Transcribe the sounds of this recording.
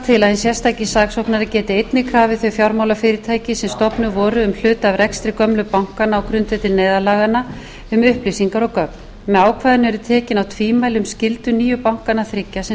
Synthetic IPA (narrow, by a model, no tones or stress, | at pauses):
t̪ʰɪlaðhɪnsjɛ̥st̪ajcɪsaːksowknaɾacɛːt̪ɪejt̪nɪkʰɾaːvɪθœɥjfjawɾmaːwlafɪːɾɪɾt̪ʰaːjcɪsɛmst̪ɔpnʏvɔːɾʏʏml̥ʏːt̪avɾɛkst̪ɾɪkœmlʏpawŋ̥kanaːwkɾʏnt̪vɛt̪ɪnɛːjðalaːɣanːa | ʏmʏhplisiŋkaɾɔkœp̚n | mɛaːwkʰvaːðɪnʏɛɾʏt̪ʰɛːcɪnawt̪ʰviːmajlɪʏmscɪlt̪ʏniːjʏpawŋ̥kanːaθɾɪcːasɛ